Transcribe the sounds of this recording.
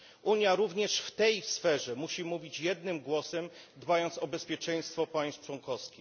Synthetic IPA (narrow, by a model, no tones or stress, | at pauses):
ʔuɲjaɾuvɲɛʂft̪ɛjsfɛʐɛmuɕimuvʲit͡ɕjɛd̪̚nɘmɡwɔsɛm | d̪bajɔnt̪sɔbɛspʲjɛt͡ʂɛj̃st̪fɔpaj̃st̪t͡ʂwɔnkɔfskʲi